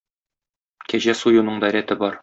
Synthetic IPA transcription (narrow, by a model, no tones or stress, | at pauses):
kæʑæsujŭnɤɴd̪æɾæt̪ɘbɒɾ